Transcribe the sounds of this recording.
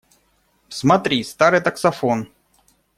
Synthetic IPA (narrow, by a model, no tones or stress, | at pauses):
smɐt̪ɾʲist̪aɾɨjt̪ɐksɐfon